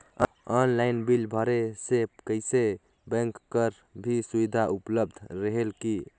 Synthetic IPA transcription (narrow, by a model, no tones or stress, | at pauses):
ɔnlajnbilbʱəɾesekəɪse | bə̃ŋkːəɾ | bʱisubid̪ʱaʔupləb̚d̪ʱɾəɦelki